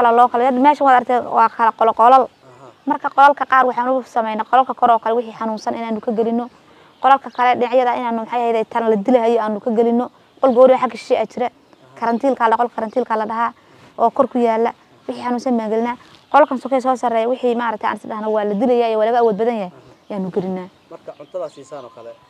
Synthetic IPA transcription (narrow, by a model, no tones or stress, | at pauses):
kɐlɛlɔːkʰɐlɛmɛːʃɐwaːd̪ɐɾkt̪ʰɛːwɑːkʰɐlɛqɔlqɔlɐl | mɐrkʰɐqɔlɐlkʰɐqɑːrwɑħɑːnʊsɐmɛjnɐqɔlɐlkʰɐkʰɔɾɔːkʰɐlɛwɪħiːħɑnuːnsɐnɪnaːnʊkʰɐɡɛlɪnːɔ | qɔlɐlkʰɐkʰɐlɛɖɪnɑʕjɐðɐɪnaːnːʊmħɑjɐhɛjðɛːt̪ʰɐllɐd̪ɪlɐɦɛjɔaːnʊkʰɐɡɛlɪnːɔ | qɔlɡɔːɾɪɐħakʰiʃʃɛʔat͡ʃɪɾɛ | kʰɐɾɐnt̪ʰiːlkʰaːlqɔlkʰɐɾɐnt̪ʰiːlkʰalɐɖɐɦaː | ʔɔːkʰɔrkʰʊjaːlːɐ | wɪħiːħɑnuːnsɐnbaːŋɡɐlɪnaːqɔlɐlkʰɐnsɔkʰɛs̬ɔːsɐrɛːjɐwɪħiːmaːɾɐkt̪ʰɛa̰nɪsdɐɦnɐwɑːlɐd̪ɪlɛjaːjɔwaːlɐɣɐːwɔːd̪̚bɐðɐnjɐɦɛjjaːnʊɡɐɾɪnːaː | mɐt̪ʰɐanɔkʰɐlɛ